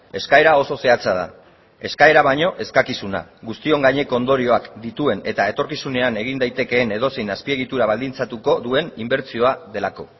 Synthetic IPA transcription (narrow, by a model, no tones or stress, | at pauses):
e̞skae̞ɾao̞so̞se̞at͡sað̞a̰ | e̞skae̞ɾaβaɲo̞ʔe̞skakisuna̰ɣust̪io̞ŋɡaɲe̞ko̞ond̪o̞ɾio̞akd̪it̪ue̞ne̞t̪ae̞t̪o̞ɾkisune̞ane̞ɣ̞ind̪ajt̪e̞ke̞ːne̞ð̞o̞sejnaspie̞ɣ̞it̪uɾaβ̞ald̪int͡sat̪uko̞ðue̞nimbe̞ɾt͡sio̞aðe̞lako̞